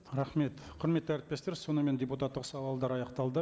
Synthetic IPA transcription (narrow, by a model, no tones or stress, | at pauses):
ɾɑχme̞t̪qʰʊɾme̞t̪ːɪæɾɪt̪̚pe̞st̪eɾso̞nəme̞nd̪ʲeput̪at̪ːəqsɑwɑlˠd̪ɑɾɑjɑqt̪ɑlˠd̪ə